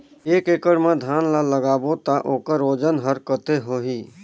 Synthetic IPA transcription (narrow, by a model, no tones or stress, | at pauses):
eːkeːkəɽmẽd̪ʱaːnlaləɡaːbot̪aʔoːkəɾoːd͡ʒənɦəɾkət̪eɦoːɦiː